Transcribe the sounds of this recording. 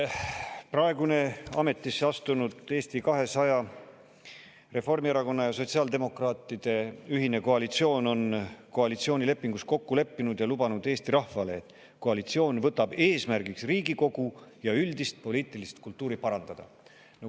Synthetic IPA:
prɑe̞ɡune̞ɑ̰me̞t̪ːˑisːeɑst̪unud̪̥e̞ːst̪ikɑɦe̞sɑjɑ | re̞fo̞rmieɾɑko̞nːɑjɑso̞t̪siɑːld̪e̞mo̞krɑːt̪ːˑid̪̥e̞yɦine̞ko̞ɑlit̪sio̞ːno̞nko̞ɑlit̪sioːnʲile̞pːiŋɡusko̞kːule̞pːinud̪̥jɑlubɑnud̪̥e̞ːst̪iɾɑhfɑle̞ːt̪ːˑ | ko̞ɑlit̪sio̞ːnvɤt̪ːˑɑb̥e̞ːsmærɡiksriːɡ̥iko̞ɡ̥ujɑyld̪ist̪̚po̞liːt̪ˑilist̪kult̪ːˑuːɾipɑɾɑnd̪̥ɑd̪̥ɑ̰ | n

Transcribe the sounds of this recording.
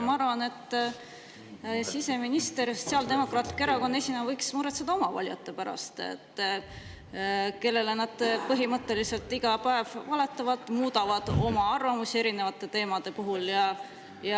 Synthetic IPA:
mɑɑɾvɑne̞t̪ːˑ | sise̞minist̪e̞ɾst̪siɑld̪e̞mo̞krɑːt̪ːˑi̥keɾɑko̞nːesʲinɑvɤjksmuɾet̪sed̪̥ɑo̞mɑvɑ̰lʲjɑ̰t̪ːe̞pæɾɑ̰st̪ḛt̪ːˑ | ke̞lːe̞lenɑd̪̥pɤɦimɤt̪ːe̞lise̞lt̪ːˑiɡ̥ɑpæe̞vːɑle̞t̪ːˑɑvɑd̪̥ˑmuːd̪ɑvɑd̪̥o̞mɑɑrvɑmusie̞ɾine̞vɑt̪ːˑe̞t̪e̞ːmɑd̪̥e̞puɦuljɑ | jɑ

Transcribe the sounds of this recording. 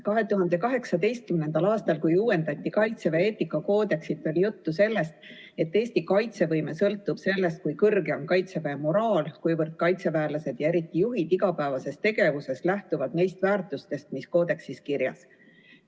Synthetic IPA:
kɑɦe̞t̪uɦɑnd̪e̞kɑɦe̞ksɑd̪e̞jst̪̚kymnend̪ɑlɑːst̪ɑlkujuːwe̞nd̪̥ɑt̪ʲːikɑjt̪se̞veeːt̪ːikːˑɑko̞ːd̪̥e̞ksit̪ːˑo̞lʲijut̪ːuse̞lːe̞st̪ | e̞t̪ːe̞ːsʲt̪ikɑjt̪se̞vɤjme̞sɤlt̪ːub̥se̞lːe̞st̪̚kujkɤrɡe̞o̞nkɑjt̪se̞veːmo̞ɾɑːlkujvɤrd̪̥̚kɑjt̪se̞væːlɑse̞d̪̥jɑe̞ɾit̪ːˑijuɦid̪̥iɡ̥ɑpæevɑse̞st̪e̞ɡe̞vuse̞st̪læht̪uvɑd̪ne̞jst̪væːrt̪ˑust̪e̞st̪misko̞ːd̪̥e̞ksiskiɾjɑ̰s

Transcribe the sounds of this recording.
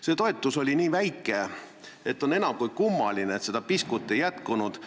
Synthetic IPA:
se̞t̪o̞e̞t̪ːˑuso̞lʲiniːvæjkˑːe̞ | et̪ːˑo̞ne̞nɑmkujkumːɑlineet̪se̞d̪̥ɑpiskut̪ːˑejæt̪kunud̪̥

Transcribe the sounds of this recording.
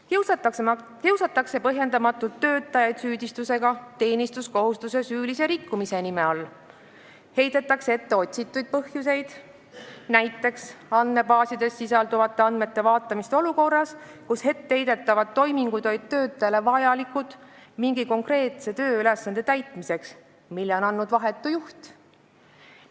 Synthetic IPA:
kiwsɑt̪ːˑɑkse̞pɤɦje̞nd̪ɑmɑt̪ːˑult̪ːø̞ːt̪ːˑɑjɑjd̪̥syːd̪̥ist̪use̞ɡ̥ɑt̪e̞ːnist̪usko̞ɦust̪use̞syːlise̞ɾikːˑumise̞nimeɑlː | he̞jd̪̥et̪ːˑɑkseet̪ːe̞o̞t̪ʲsit̪ːˑujd̪̚pɤhjuse̞jd̪̥ | næjt̪ːˑe̞ksɑnːe̞bɑːsid̪e̞sːisɑld̪̥uvɑt̪ːˑe̞ɑnd̪me̞t̪ːˑe̞vɑːt̪ːˑɑmist̪eo̞luko̞rːɑs | kushe̞t̪ːe̞jd̪e̞t̪ːˑɑvɑd̪̥̚t̪ːo̞jmiŋɡ̥ud̪ojd̪̚t̪ø̞ːt̪ːˑele̞vɑjɑlikːˑut̪ˑmiŋɡ̥iko̞ŋkre̞ːt̪se̞t̪ø̞ːyle̞sːɑnd̪̥e̞t̪æjt̪ˑmise̞ks | milːeo̞nɑnːud̪vɑɦe̞t̪ːˑujuht̪

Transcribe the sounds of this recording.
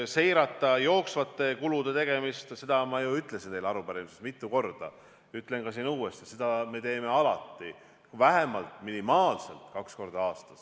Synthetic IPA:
se̞jɾɑt̪ːˑɑjo̞ːksvɑt̪ˑːe̞kulud̪̥e̞t̪e̞ɡ̥e̞mist̪se̞d̪̥ɑmɑjuyt̪ˑle̞sint̪e̞jlɑɾupɑɾimisest̪mit̪ːˑuko̞rd̪̥ɑ̰ | yt̪ːˑle̞nkɑs̬iːnuːest̪ised̪̥ɑme̞t̪e̞ːme̞ɑlɑ̰t̪ˑːi | væɦe̞mɑlt̪ˑminimɑːlse̞lt̪ˑkɑksko̞rd̪̥ɑɑːst̪ɑs

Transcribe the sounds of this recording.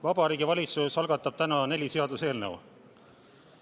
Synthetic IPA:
vɑb̥ɑɾiːɡ̥ivɑlʲit̪susɑlɡɑt̪ːˑɑb̥̚t̪ænɑne̞lʲise̞ɑd̪useːlnew

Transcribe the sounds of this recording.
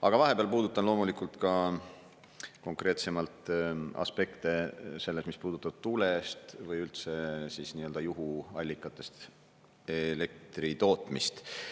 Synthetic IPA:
ɑɡ̥ɑvɑɦe̞peɑlpuːd̪ut̪ːˑɑnlo̞ːmulikˑult̪kɑ | ko̞ŋkre̞ːt̪se̞mɑlt̪ɑ̰spe̞kt̪e̞se̞lːesmispuːd̪̥ut̪ːˑɑb̥̚t̪ule̞st̪vɯjylt̪se̞sisniøld̪ɑjuɦuɑlʲːikːˑɑt̪ːˑe̞st̪ | ele̞k̚t̪rit̪o̞ːt̪ˑmist̪

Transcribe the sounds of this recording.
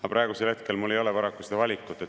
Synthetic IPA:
ɑpɾɑˑe̞ɡuselhe̞t̪̚ke̞lmulːejo̞lepɑɾɑkːˑu̥sed̪ɑvɑlʲikːˑut̪ːˑet̪

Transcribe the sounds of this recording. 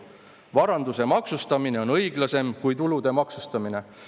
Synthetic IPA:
vɑɾɑnd̪use̞mɑksust̪ɑmine̞o̞nɤjɡlɑse̞mkujt̪ulud̪̥e̞mɑksust̪ɑmine̞

